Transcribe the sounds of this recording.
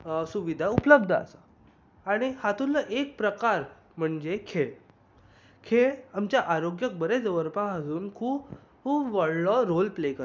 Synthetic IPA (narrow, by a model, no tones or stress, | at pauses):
suʋid̪ʱaupləb̚d̪ʱəa̰sa | aɽ̃ihat̪uləʔek̚pɾəkaɾ | m̤əɳd͡ʑekʰeɭ | kʰeɭamt͡ɕjaʔaɾoɡjək̚bəɾed͡zəʋəɾpaɦəsuːnkʰuːp | kuːpʋəɽɭɔɾolplekə